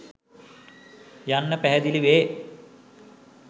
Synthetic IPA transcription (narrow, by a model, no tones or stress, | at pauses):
janːəpæɦɛd̪iliʋeː